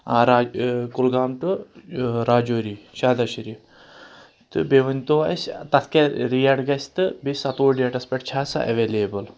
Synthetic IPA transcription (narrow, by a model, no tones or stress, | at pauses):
aɾakulɡaːmʈu | ɾaːd͡ʒoːɾiʃaːd̪ɐʃiɾi | t̪ɨbeʋɐnʲt̪oːɐ̰st̪ɐt̪ʰkeɾijaːɖɡɐsʲt̪ɨbisɐt̪oːɖijɐʈɐspʲeʈ̚t͡ʃʰaːsa̰ʔeʋeːleːbɐl